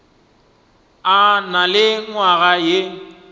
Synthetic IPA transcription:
analɪŋwaɣaje

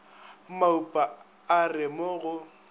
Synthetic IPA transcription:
maupʼa | arɪmoɣʊ

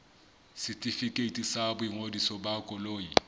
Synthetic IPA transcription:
sɪtʼifikʼetʼisabʊiŋodisɔbakʼɔloːji

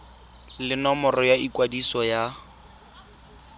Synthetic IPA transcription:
lɪnɔmɔrɔjaikwadisɔja

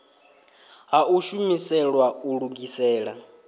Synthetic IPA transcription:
ɦaʔuʃumisɛɺwauɺuɡisɛːɺa

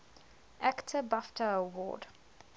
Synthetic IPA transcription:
ʔæktʰəbaftʰəəwɔ̰ːd

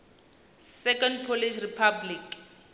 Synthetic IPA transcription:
sɛkʰɔndpʰoliʃripʰablik

